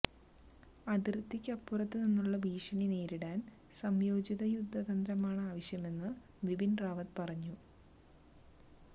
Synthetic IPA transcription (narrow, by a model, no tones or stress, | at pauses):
ɐðirt̪ːikʲːɐpːurɐt̪ːɨninːuɭːɐbiːʂɐɳine̞ːɾiɽaːn | sɐmjo̞ːd͡ʑiðɐjud̪ʱːɐðɐnd̪ɾɐmaːɳɨaːʋɐɕjɐme̞nːɨ | ʋibinraːʋɐt̪pɐrɐɲːu